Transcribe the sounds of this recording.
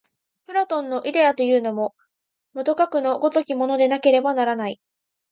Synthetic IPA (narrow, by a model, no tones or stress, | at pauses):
pɯ̟ɾat̪õ̞nːo̞ʔid̪e̞at̪o̞jɯ̟ːno̞mo̞ | mot̪o̞kakɯ̟no̞ɡo̞t̪o̞kʲimo̞no̞d̪e̞nake̞ɾe̞banaɾanai